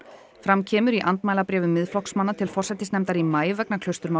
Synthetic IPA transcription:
fɾamcʰɛːmʏɾiʔant̪maːjlapɾɛːvʏmːɪðflɔksmanːat̪ʰɪlfɔrsɛt̪ːɪsnɛmt̪aɾimaːjvɛknakʰlœst̪ʏɾma

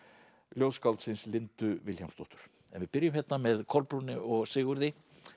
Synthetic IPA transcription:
ljowskalt̪sɪnslɪnt̪ʏvɪlçawmst̪ɔht̪ʏɾ̥ | ɛ̰nvɪðpɪɾjʏmhɛt̪ːamɛðkʰɔlpɾunɪɔɣsɪːɣʏɾðɪ

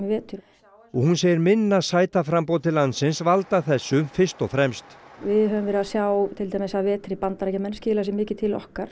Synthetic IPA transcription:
ɪvɛːt̪ʏ | ɔɣhunseːjɪɾmɪnːasaːjt̪afɾampowt̪ʰɪlːansɪnsvalt̪aθɛsːʏfɪr̥st̪ɔɣfɾɛmst̪vɪðɦœvʏmvɛːɾɪaðsjaːwt̪ʰɪlt̪ʰajmɪsaðvɛːt̪ɾɪpant̪aɾɛhcamɛnscɪːlas̬ɪmɪːcɪt̪ʰɪlɔ̰hkaɾ̥

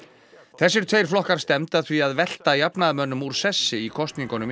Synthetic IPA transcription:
θɛsːɪɾ̥t̪ʰveːjɾ̥flɔhkaɾ̥st̪ɛmt̪aθviaðvɛl̥t̪ajapnaðmœnːʏmuɾ̥sɛsːɪikʰɔst̪niŋkɔnʏm

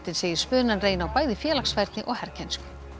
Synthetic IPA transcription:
t̪ɪðseːjɪɾ̥spœːðnanreːjnawpaːjðɪfjɛːlaksvajɾt̪nɪʔɔɣhɛɾ̥cʰɛnskʏ̥

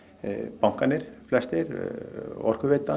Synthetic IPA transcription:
pawŋ̥kanɪɾ̥flɛst̪ɪɾ | ɔ̰r̥kʏvɪːt̪a

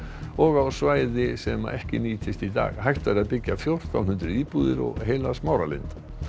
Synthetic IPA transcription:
ɔɣawsvaːjðɪsɛma̰ʔɛhcɪniːt̪ʰɪst̪it̪a̰ːɣhajht̪vaɾaðpɪcːafjowr̥t̪ʰa̰wnhʏnt̪ɾɪiðpuːðɪɾɔ̰ɣhejlasmaːwɾalɪ̰nt̪

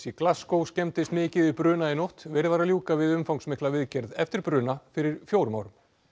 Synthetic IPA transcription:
siklaskowscɛmt̪ɪst̪mɪːcɪðɪpɾʏːnaɪnowht̪vɛɾɪvaɾaljuːkavɪðʏmfawŋksmɪhklavɪðcɛɾðɛft̪ɪɾ̥pɾʏːnafɪɾɪɾ̥fjoːwɾmaːwɾʏm

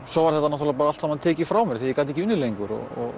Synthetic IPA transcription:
sɔwvaɾ̥θɛht̪anɔt̪alapaɾaalt̪samaðt̪ʰɛːcɪfɾaːwmɛɾ̥θijɪkaːt̪ɛhcɪʏnːɪlejŋkʏɾɔ̰ɣɔ̰ɣ

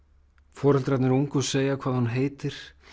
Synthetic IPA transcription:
fɔːɾhalt̪ɾat̪nɪɾuŋkʏseːjakʰvaːðhunɦeːjt̪ɪɾ̥

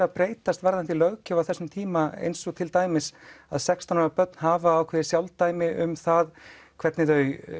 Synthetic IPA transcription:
apɾeːjt̪ast̪vaɾðant̪ɪlœɣcaawθɛsːʏmt̪ʰiːmaḛjnsɔt̪ʰɪlt̪aːjmɪsaðsɛkst̪ʰanɾapœt̪̚nɦaːvaːwkʰvɛːðɪsjawlt̪aːjmɪʔʏ̰mθað | kʰv̥ɛt̪nɪt̪œːɥj

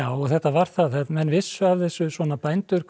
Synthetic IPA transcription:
aːwɔɣθɛht̪avaɾ̥θaðɛt̪mɛnːvɪsːʏavθɛsːʏsvɔːnapajnt̪ʏɾ̥k

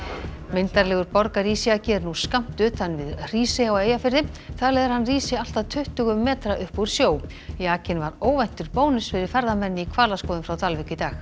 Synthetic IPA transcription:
mɪnt̪aɾlɛːɣʏɾpɔɾkaɾiːsɪacɛːɾnuskam̥t̪ʏt̪θanːvɪðr̥iːsɪaweːjafɪɾðɪθalɛːɣðɪɾ̥hanːriːsɪal̥t̪aðt̪ʰʏht̪ʏɣʏmːɛːt̪ɾaʔʏhpuɾ̥sjoːw | jaːcɪnvaɾoːwvɛjn̥t̪ʏɾpoːwnʏsfɪɾɪɾ̥fɛɾðamɛnːɪikʰvaːlaskɔːðʏmfɾawt̪ʰalvɪcɪt̪aːx

